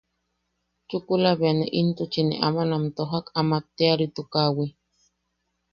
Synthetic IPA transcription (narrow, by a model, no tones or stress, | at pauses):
t͡ʃukulaβeaneʔint̪ut͡ʃinḛʔamanamt̪oɦakamat̪ːeaɾit̪ukawi